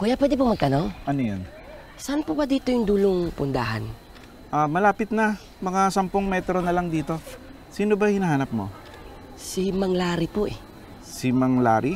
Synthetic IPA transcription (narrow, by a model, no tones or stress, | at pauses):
kuːjapwɛd̪ɪpomɐɡ̚t̪ɐnoŋʔɐnojon | sɐʔanpubɐd̪iːt̪ojʊŋd̪uːloŋpʊnd̪a̰ːha̰n | ʔamɐlaːpɪt̪̚nɐ | mɐŋasɐmpoŋmɛt̪ɾo̞nɐlaŋd̪iːt̪o̞ | siːnobɐhɪnaɦaːnɐp̚mo̞̰ | simɐŋlaːɾipoʔɛ | sɪmɐŋlaːɾɪ